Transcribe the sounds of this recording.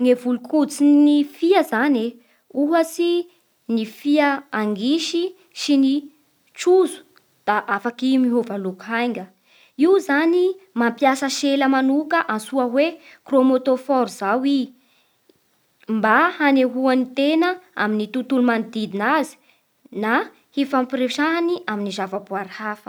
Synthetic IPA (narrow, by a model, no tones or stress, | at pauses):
ŋevulukʰut͡sinifiəzane | uɦəsi | nifiəaŋɡiʃi | sini | t͡ʃuzu̥ | d̪̥aʔafakimiɦovalukɦajŋɡə | iwzanimampjasəʃeləmanukəʔansuəɦwe | kromot̪ofɔɾuz̥awi | mbahaneɦuanit̪enəa̰minit̪ut̪ulumand̪id̪inazi̥ | na | hifampiɾeʃaniʔaminizavapuaɾhafə̥